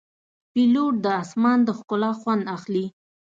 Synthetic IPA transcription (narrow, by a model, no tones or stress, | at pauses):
piloʈ̚d̪əasmɑnd̪əxkʊlɑxwand̪axli